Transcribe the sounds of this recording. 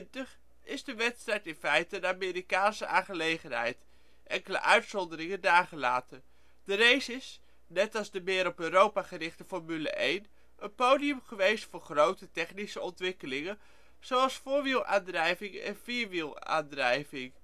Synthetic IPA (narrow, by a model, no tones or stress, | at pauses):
ntəχ | ɪzdəʋɛtstrɛaːtɪnfɛjtənaːmɪːɾikaːnsəʔaːχəlejχənɦɛ̰jt | ʔɛŋkələ̰ʔœɥtsɔndəɾɪŋəndaːχəla̰ːtə | d̥ərejsɪs | nɛtɑlˠzdəmɪːɾɔpøːɾowpaχərɪχtəfɔɹmylə̰ʔejn | ənpowdijəmχəʋejstfʊːɹχrowtətɛχnisəɔntʋɪkəlɪŋən | z̥owɑlˠsfʊːɹʋilˠʔa̰ːndrɛjvɪŋɛ̰nviːɹʋilˠa̰ːndrɛjvɪŋ